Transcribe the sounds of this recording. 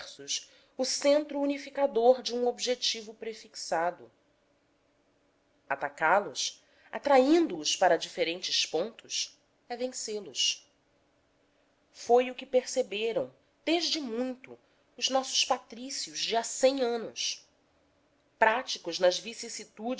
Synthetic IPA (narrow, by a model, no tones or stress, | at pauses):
sʊs | ʊsẽnt̪ɾuːnifikad̪oɾd͡ʒɪũobʒet͡ʃivʊpɾefiksad̪ʊ | at̪akalʊs | at̪ɾaĩnd̪ʊːspaɾɐd͡ʒifeɾẽnt͡ʃɪspõnt̪ʊs | ɛvẽselʊs | fojʊkɪpeɾsebeɾɐ̃w̃ | d̪̥eʒd͡ʒɪmũj̃t̪ʊ̰ | ʊʒnɔsʊ̥ʃpat̪ɾisiʊʒd͡ʒɪasẽj̃ɐ̃nʊs | pɾat͡ʃikʊznɐzvisisit̪ud͡ʒ